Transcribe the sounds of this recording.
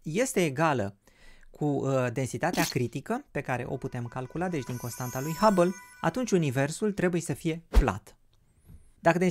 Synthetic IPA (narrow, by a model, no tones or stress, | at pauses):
je̞st̪e̞ːɡalə̰ | kʰud̪e̞nsit̪at̪eakɾit̪ikəpe̞kaɾe̞̰ʔo̞̰put̪e̞mkalkulad̪e̞t͡ʃʲd̪iŋko̞nst̪ant̪alujhabəla̰t̪unt͡ʃʲunive̞rsult̪ɾe̞buje̞səfije̞pla̰t̪ | d̪akəd̪e